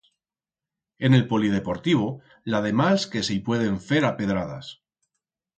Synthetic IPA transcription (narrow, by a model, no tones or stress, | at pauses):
e̞ne̞lpo̞lið̞e̞po̞ɾt̪iβ̞o | lað̞e̞maske̞sipwe̞ð̞e̞ɱfe̞ɾape̞ð̞ɾað̞a̰s